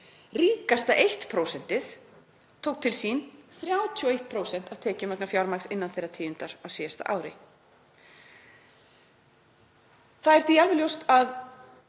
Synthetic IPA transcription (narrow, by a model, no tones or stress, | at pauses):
riːkast̪aʔejht̪pʰɾoːwsɛn̥t̪ɪθ | t̪ʰowk̚t̪ʰɪlsinθɾjaːwt̪ʰiɔejht̪̚pʰɾowsɛn̥t̪awt̪ʰɛːcɪmœknafjawɾmaksɪnːanθejrːat̪ʰiːjʏnt̪aɾawsiːjast̪a̰ʔa̰ːwɾɪ̰ | θaðɛɾ̥t̪ialvɪljowst̪að